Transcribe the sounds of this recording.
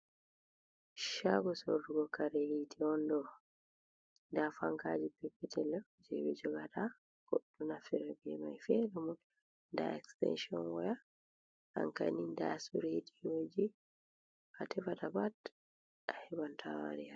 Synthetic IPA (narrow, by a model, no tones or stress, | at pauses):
ʃaɡɔsoduɡɔkaɾehitiɔndɔ | ndafaŋkad͡ʒipɛpːɛtʰɛlɛ | d͡ʒɛ̰wɛ̰d͡ʒɔɡatʰa | ɡ̥oɗːunafɛɾabɛmajfɛɾumu | nda̰ɛkstɛ̰nʃiɔ̰nwɔja | a̰ŋka̰nindasuɾetiwod͡ʒi | atʰɛfatabat | ahɛbantʰawa̰ɾia